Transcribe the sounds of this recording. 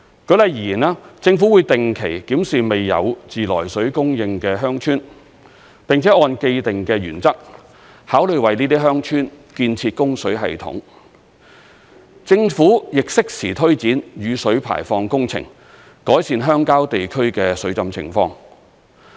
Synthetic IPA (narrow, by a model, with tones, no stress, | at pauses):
kɵ˨˥lɐ˨jiː˨˩jiː˨˩naː˧˥t͡sɪ˧ŋfuː˨˥wu˨˧jt̪ɪ˨ŋkʰe˨˩jkiː˨˥msiː˨me˨jːɐ̰˨˧wt͡siː˨lɔ̰ː˨˩jsɵ˨˥ɥkʊ˥ŋjɪ˧ŋkɛː˧ɦœː˥ŋt͡ʃʰyː˥n | pɪ˨˩ŋt͡sʰɛː˨˦˥ɔː˧nke˧jt̪ɪ˨˩ŋkɛː˧jyː˨˩nt͡sɐ˥k̚ | haː˨˥wlɵ˨˧ɥwɐ˨jniː˥t̪i˥ɦœː˥ŋt͡ʃʰyː˥n | kiː˧nt͡sʰiː˧t̚kʊ˥ŋsɵ˨˥ɥɦɐ̰˨jt̪ʰʊ̰˨˥ŋ | t͡sɪ˧ŋfuː˨˥jɪ˨k̚sɪ˥k̚sʰiː˨˩t̪ʰɵ˥ɥt͡siː˨˥njyː˨˧sɵ˨˥ɥpʰa̰ː˨˩jfɔː˧ŋkʊ˥ŋt͡sʰɪ̰˨˩ŋ | kɔː˨˥jsiː˧nɦœː˥ŋkaː˥wt̪e˨jkʰɵ˥ɥkɛː˧sɵ˨˥ɥt͡sɐ˨mt͡sʰɪ̰˨˩ŋfɔː˧ŋ